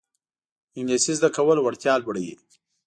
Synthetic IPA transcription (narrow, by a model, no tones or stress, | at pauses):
ɪŋɡlisizd̪akawəlwaɽt̪jɑlbəɽəjḭ